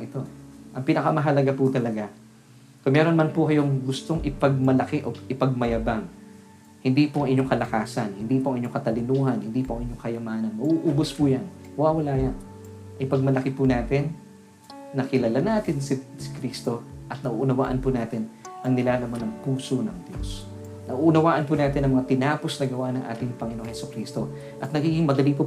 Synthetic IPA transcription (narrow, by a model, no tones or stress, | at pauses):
ɪt̪o̞ʔɐŋpinɐkɐmɐɦɐlɐɡapʊt̪ɐlɐɡa | koŋmɛːɾonmɐnpʊkɐjoŋɡʊst̪oŋʔɪpɐɡ̚mɐlɐkɪʔoʔɪpɐɡ̚mɐjɐbaŋ | hɪnd̪iːpʊʔɐŋʔɪɲoŋkɐlɐkaːsɐnhɪnd̪iːpoʔɐŋʔɪɲːoŋkɐt̪ɐlɪnuːhɐnhɪnd̪iːpoʔɐŋɪɲːo̞ŋkɐjɐmaːnɐnmɐʔuʔuːbospujanwawɐlaːjan | ʔɐpɐɡ̚mɐlɐkɪpʊnaːt̪ɪnː | ɐkɪlɐlanaːt̪ɪnsɪsɪ̥kɾist̪o̞ʔɐt̪̚nɐʔṵʔʊnɐwa̰ːʔɐnpʊnaːt̪ɪnʔɐŋnɪlaːlɐmanːɐŋpuːsonɐŋd̪jo̰s | nɐʔuʔʊnɐwaːʔɐnpunaːt̪ɪnɐŋmɐŋat̪ɪnaːposnɐɡɐwanɐŋʔa̰ːt̪ɪŋpɐŋɪno̞ŋhɛsʊkɾiːst̪o̞ | ʔɐt̪̚nɐɡiːɡɪŋmɐd̪ɐliːpʊ